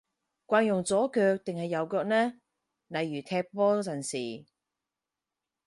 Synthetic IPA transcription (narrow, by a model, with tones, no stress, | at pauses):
kʷaː˧njʊ˨˩ŋt͡sɔː˨˥kœː˧k̚t̪ɪ˨ŋhɐ˨jːɐ˨˧wkœː˧k̚nɛː˥ | nɐ˨˧jɥyː˨˩t̪ʰɛː˧k̚pɔː˥t͡sɐ˨˩nsiː˨˩